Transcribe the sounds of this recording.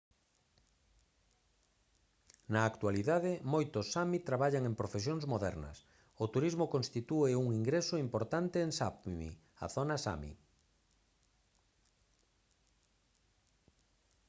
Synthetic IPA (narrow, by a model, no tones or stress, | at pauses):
nɐːkt̪waliðaðɪmojt̪ʊsamit̪ɾaβaʎaŋempɾofesjõŋzmoðɛ̰ɾnɐ̰s | ot̪uɾizmokõnst̪it̪uɪuŋiŋɡɾesoimpoɾt̪ant̪eːŋsapmḭ | ɐ̰θonɐsa̰mḭ